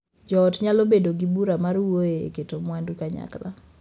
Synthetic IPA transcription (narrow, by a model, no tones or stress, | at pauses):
d͡ʒɔːtɲalobedoɡibuɾamarwoeketomwandukaɲa̰kla̰